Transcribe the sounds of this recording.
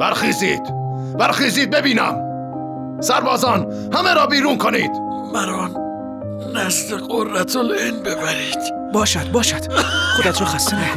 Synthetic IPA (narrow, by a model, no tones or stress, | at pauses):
b̥æɾxiːziːd̪̥ | bæɾxiːziːd̪̚bebiːnæ̰m | sæɾbɒːzɒːn | hæmeɾɒːbiːɾuːnkʰoniːd̪̥ | mæɾɒːnː | æsleɣorːæt̪ʰolenbebæɾiːd̪̥ | bɒːʃæd̪̚bɒːʃæd̪̥xod̪æt̪ʰɾɒːxæst̪imi